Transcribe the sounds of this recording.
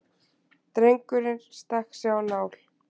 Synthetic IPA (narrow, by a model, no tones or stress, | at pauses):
t̪ɾejŋkʏɾɪnst̪axksjawnaːwl̥